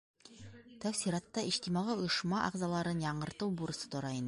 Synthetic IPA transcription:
t̪æwsiɾɑt̪ːɑiʃt̪imɑʁɤŏjɤ̆ʃmɑʔɑ̰ʁzɑlˠɑɾɤnjɑɴɤ̆ɾt̪ɤwbuɾɤ̆sɤ̥t̪ŏɾɑin

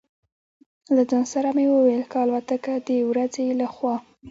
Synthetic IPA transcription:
lazɑnsaɾamewəwajlkɑlwat̪akad̪əwɾad͡zelaxwɑ

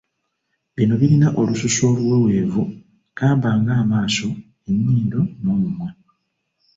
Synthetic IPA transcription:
βino̞βiɾinaʔo̞lususo̞ːβuwewe̞ːvu | kaːmbaːŋɡaːmaːso̞ | enːiːndo̞no̞ːmumwe

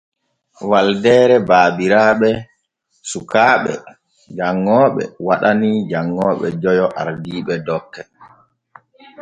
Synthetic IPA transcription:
waldɛːɾɛbaːbiɾaːɓɛ | sukaːɓɛ̰ | d͡ʒaŋːɔːɓɛ̰waɗanid͡ʒaŋːɔːɓɛ̰d͡ʒɔjɔʔa̰ɾdiːɓɛdɔkːɛ

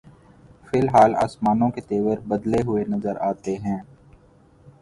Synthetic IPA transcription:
fɪlɦaːla̰ːsmaːnõket̪eːʋəɾbɐd̪leɦʊenɐzəɾaːt̪eɦɛ̃ː

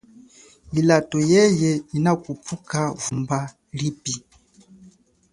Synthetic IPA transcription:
ilatɔjɛjɛinakupukavumba | lipi

